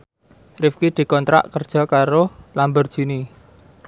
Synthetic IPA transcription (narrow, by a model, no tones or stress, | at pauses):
rɪfkid̪̥i̤kɔnt̪ɾa̰ʔkərd̥ʒ̥ɔ̤kaɾolambərd̥ʒ̥i̤ni